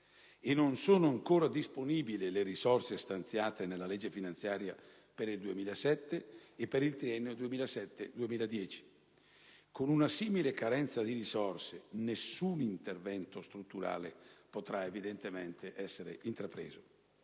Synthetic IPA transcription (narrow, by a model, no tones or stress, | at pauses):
enːonsoːnoaŋkoːɾad̪isponiːbilileɾisɔrsest̪ant̪sjaːt̪enelːalɛd͡ʒːefinant̪sjaːɾja | peɾild̪uemiːlasɛt̪ːeːpːeɾilt̪ɾiɛnːod̪uemiːlasɛt̪ːḛd̪uemiːlad̪jɛːt͡ʃi̥ | konunasiːmilekaɾɛnt̪sad̪iɾizɔrsenesːunint̪ervɛnt̪ost̪ɾut̪ːuɾa̰ːlepot̪ɾaevid̪ent̪emɛnt̪eʔɛsːeɾḛʔint̪ɾapɾḛːzo